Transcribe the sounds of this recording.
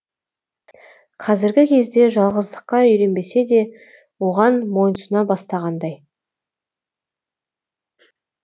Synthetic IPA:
qʰɑzɪɾɡʲɪkʲʰe̞zd̪e̞ʒɑlˠʁəzd̪əqːɑʏjɾe̞nbe̞se̞d̪e̞ | wo̞ʁɑnmo̞jnəsənɑbɑst̪ɑʁɑnd̪ɑj

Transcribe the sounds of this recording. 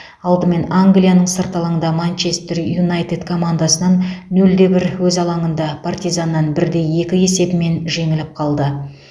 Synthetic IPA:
ɑlˠd̪əme̞naŋɡlʲijanəɴsəɾt̪ɑlˠəənd̪ɑmant͡ʃe̞st̪ɪrjunajt̪ed̪kʰo̞mand̪asənɑnːɵld̪e̞bɪɾwɵzɑlˠɑɴənd̪ɑpʰart̪ijzanːɑnbɪɾd̪e̞je̞kʲɪje̞se̞bɪme̞nʒe̞ŋɪlɪp̚qʰɑlˠd̪ə

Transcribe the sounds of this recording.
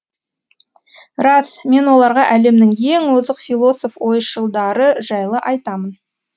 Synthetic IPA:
ɾɑsme̞nwo̞lˠɑɾʁɑʔæle̞mnɪŋje̞ŋwozəqfilˠo̞so̞fwo̞jʃəlˠd̪ɑɾəʒɑjlˠəʔɑjt̪ɑmən

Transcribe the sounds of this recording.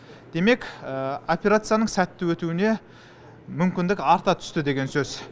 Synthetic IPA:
d̪̥e̞me̞kopʲe̞ɾat̪sɨjanəɴsæt̪ːɪwɵt̪uɪne̞ | mʏmkʲɪnd̪ɪkɑɾt̪ɑt̪ʰʏ̥st̪ɪd̪e̞ɡʲe̞nsɵz̥

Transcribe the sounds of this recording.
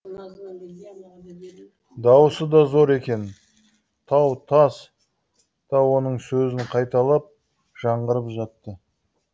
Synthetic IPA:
d̪ɑwsəd̪ɑzo̞ɾe̞kʲe̞n | t̪ʰɑwt̪ʰɑs | d̪̥ɑwo̞nəɴsɵzɪɴqʰɑjt̪ɑlˠɑp̚ | ʒ̥ɑɴʁəɾəpʒɑt̪ːə

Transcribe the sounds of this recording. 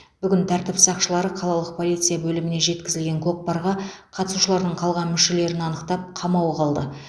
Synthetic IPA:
b̥ʏɡʲɪnt̪ʰæɾt̪ɪpsɑqʃəlˠɑɾəqʰɑlˠɑlˠəq̚pʰo̞lijt̪sɨjabɵlɪmɪne̞ʒe̞t̪kʲɪzɪlɡʲe̞ŋkʲʰo̞q̚pɑɾʁɑqʰɑt̪əsuʃəlˠɑɾd̪əɴqʰɑlˠʁɑnmʏʃe̞le̞ɾɪnɑnəqt̪ɑp̚qʰɑmɑwəqʰɑlˠd̪ə

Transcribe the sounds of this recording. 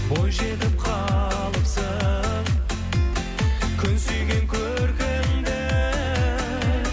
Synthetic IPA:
bo̞jʒe̞t̪ɪp̚qʰɑ | lˠəpsə | kʲʰʏnsyjɡʲe̞ŋkʲʰɵ | ɾkʲemd̪ɪ

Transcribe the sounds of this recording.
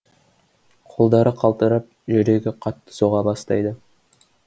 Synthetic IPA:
qʰo̞lˠd̪ɑɾəqʰɑlˠt̪əɾəp̚ʒʏɾe̞ɡʲɪqʰɑt̪ːə̥soʁɑbɑst̪ɑjd̪ə

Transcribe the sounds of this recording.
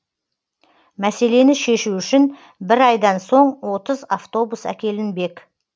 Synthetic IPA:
mæse̞le̞nɪʃe̞ʃuʏʃɪn | bɪɾɑjd̪ɑnso̞ɴwo̞t̪əzaft̪o̞busæ̰kʲe̞lɪnbe̞k

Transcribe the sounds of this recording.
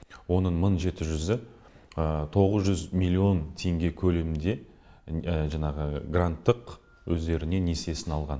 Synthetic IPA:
wo̞nəɴməɴʒe̞t̪ɪʒʏzɪ | ət̪ʰo̞ʁəzʒʏzmilʲːio̞nt̪ʰe̞ŋɡʲe̞kʲʰɵlemɪnd̪e̞ | ʒɑɴɑʁəɡrant̪ːəq | wɵzd̪e̞ɾɪne̞ne̞se̞sɪnɑlˠʁɑn

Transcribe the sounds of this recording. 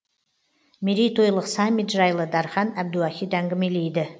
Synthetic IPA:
meɾijt̪ʰojlˠəqsɑmʲːit̪ʒɑjlˠəd̪ɑɾχɑnæb̚d̪uɑxʲit̪æŋɡʲɪmelejd̪ɪ

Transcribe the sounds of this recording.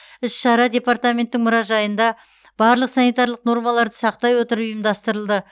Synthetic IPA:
ɪsʃɑɾɑd̪ʲe̞part̪amʲe̞nt̪ːɪŋmʊɾɑʒɑjənd̪ɑ | b̥ɑɾlˠəqsɑnijt̪ɑɾlˠəqno̞ɾmɑlˠɑɾd̪əsɑq̚t̪ɑjwo̞t̪əɾəpʊjəmd̪ɑst̪əɾəlˠd̪ə

